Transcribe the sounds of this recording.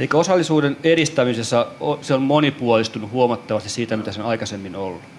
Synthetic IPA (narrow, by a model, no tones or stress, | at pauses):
eikːæosɑlːisuːdeneɾist̪æmisesːɑoseommonipuolist̪unuhuomɑt̪ːɑʋɑst̪issiːt̪æmit̪æsenɑikɑsemːinolː